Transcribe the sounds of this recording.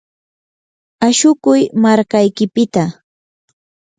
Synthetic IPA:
aʃʊkʊjmaɾkajkɪpɪt̪a

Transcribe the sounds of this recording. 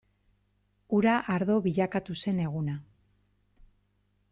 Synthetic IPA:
uɾaʔaɾðo̞βiʎakat̪use̞ne̞ɣ̞una

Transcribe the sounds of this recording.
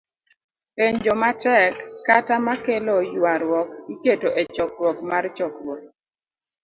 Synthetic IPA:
eɲd͡ʒɔmatɛkːatamakelɔjwaɾwɔkɡiketoʔet͡ʃɔkɾwɔkmart͡ʃɔkɾwɔk̚

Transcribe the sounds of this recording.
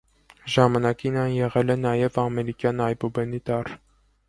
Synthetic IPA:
ʒɑmɑnɑkinɑnjɛʁɛlɛnɑjɛvɑmɛɾikjɑnɑjbubɛnit̪ɑr

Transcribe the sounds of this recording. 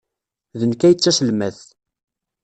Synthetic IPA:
ðənkæjət͡sːæsəlmæθ

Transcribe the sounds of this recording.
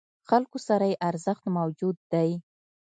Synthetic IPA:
xalkosaɾajeʔaɾzəxt̪mawd͡ʒud̪ːaj

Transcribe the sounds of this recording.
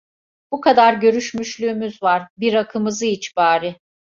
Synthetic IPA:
b̥ukʰad̪aɾɟø̞ɾyʃmyʃlʲyːmyzvaɾbiɾakʰɯmɯzɯit͡ʃbaːɾɯ

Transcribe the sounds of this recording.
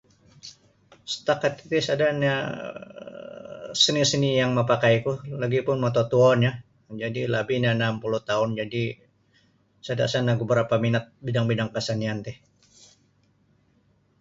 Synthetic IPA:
sə̥t̪akat̪̚it̪isadanɲa | sənisənijaŋməpakajkulaɡipʊnmat̪ot̪uɔnɲa | d͡ʒadilabiɲanampuluht̪aʊnd͡ʒadi | sada̰ʔsanaɡəbəɾapaminat̪̚bidaŋbidaŋkasaniant̪ɛh

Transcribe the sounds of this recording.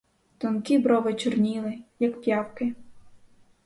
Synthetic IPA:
t̪ɔnkʲibɾɔʋɪt͡ʃɔrnʲilˠɪjɐkpʲjɑwkɪ

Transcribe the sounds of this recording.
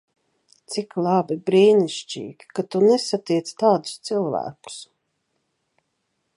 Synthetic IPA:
t̪siklˠabibɾiːniʃt͡ʃḭːɡʲi̥kat̪unesat̪iɛt̪st̪aːd̪ʊ̥st̪silˠvæ̰ːku̥s

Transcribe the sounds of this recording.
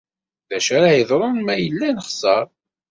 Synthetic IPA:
ðæʃæɾajəðˤɾˤonmæjəlːænəχsˤɑɾˤ

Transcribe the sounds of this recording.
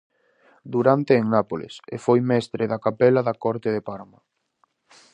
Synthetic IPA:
d̪uɾant̪eːŋnapolɪ̰sḛfojmɛst̪ɾeðakapɛlɐðɐkɔɾt̪eðepaɾmɐ

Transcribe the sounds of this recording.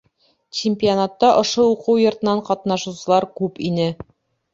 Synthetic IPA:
t͡ɕɪmʲpʲionat̪ːɑʔŏʃouqɤwjŏɾt̪ɤ̆nɑɴqɑt̪nɑʃusɤ̆lˠɑɾkʉpinɘ

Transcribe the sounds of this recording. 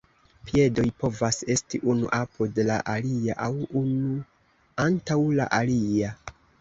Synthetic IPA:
pie̞do̞jpo̞vase̞stiʔunṵʔapodla̰ʔaliaʔawunu | antawla̰ʔalia

